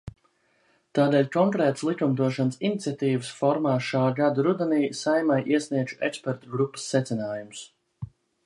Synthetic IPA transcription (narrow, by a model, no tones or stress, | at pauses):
t̪aːd̪eːlʲkɔŋkɾɛːt̪əslˠikumd̪uɔʃansinit̪sʲjat̪iːvəsfɔɾmaːʃaːɡad̪aɾud̪aniːsajmajʔiɛsniɛd͡ʒuʔɛkspɛɾt̪uɡɾupːə̥sːɛt̪sinaːjums